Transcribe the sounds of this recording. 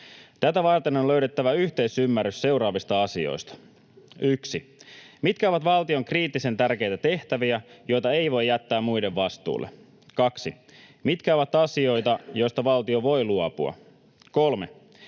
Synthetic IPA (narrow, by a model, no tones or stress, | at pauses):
t̪æt̪æʋɑrt̪enonlø̞yɥɾe̞t̪ːæʋæyçt̪e̞isymːærːysse̞wɾɑːʋist̪ɑɑsio̞̰jst̪ɑ̥ | yksimit̪kæoʋɑt̪ʋɑlt̪io̞ŋkriːt̪ːise̞nt̪ærk̟e̞jt̪æt̪e̞ht̪æʋiæjo̞jt̪ɑe̞jʋo̞jːæt̪ːæːmmujde̞ʋʋɑst̪ṵːlːe̞̰ | kɑksi | mit̪kæoʋɑt̪ɑsio̞jt̪ɑjo̞jst̪ɑʋɑlt̪io̞ʋo̞jluɑpuɑ̰ | ko̞lme̞̰